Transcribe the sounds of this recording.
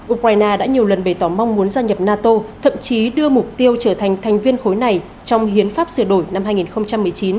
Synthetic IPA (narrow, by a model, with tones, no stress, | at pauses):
ʔu˧k̚waː˧jnaː˧ɗa̰ː˧˥ɲi˨˩əwlə˨˩nɓə˧˩jt̪ɔ˧˩ma˧wŋ͡mmu˨˦ənzaː˧ɲə˨˩p̚naː˧t̪o˧t̪ʰə̰˧˨mt͡ɕi˨˦ɗɨ˧əmʊ˨˩k͡p̚t̪i˧əwt͡ɕəː˧˩t̪ʰa˨˩jŋ̟t̪ʰa˨˩jŋ̟vi˧ənxo˨˦jna˨˩j | t͡ɕɔ˧wŋ͡mhi˨˦ənfaː˦˥p̚sɨ˧˩əɗo˧˩jna˧mɦaː˧jŋi˨˩nxə˧wŋ͡mt͡ɕa˧mːɨ˨˩əjt͡ɕi˨˦n